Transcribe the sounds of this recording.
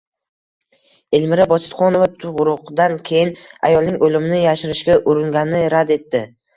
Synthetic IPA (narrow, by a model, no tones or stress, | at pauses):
elmɪɾabɒt͡ʃ̪ʰɪ̥t̪qɒnovat̪ʰʊʁɾʊqd̪ankʲʰe̞jɪna̰jɒlˠnɪŋolɪmnɪjaʃɪɾɪʃkʲaʔʊɾɪŋɡʲanɪɾad̪e̞t̪ːɪ